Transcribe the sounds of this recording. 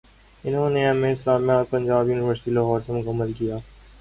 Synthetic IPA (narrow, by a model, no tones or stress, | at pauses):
ɪnɦõːneɐmẽɪslaːmijaːd̪̚pɐ̃ɲd͡ʒaːbjuːnɪʋəɾsʈilɐɦɔːɾsemʊɣɐməlkijaː